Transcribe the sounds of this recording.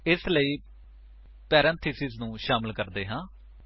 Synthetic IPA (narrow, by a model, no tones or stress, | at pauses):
ɪsləiː | pɛːɾɛ̃nt̪ʰisɪznũːʃaːməlkəɾd̪eːɦãː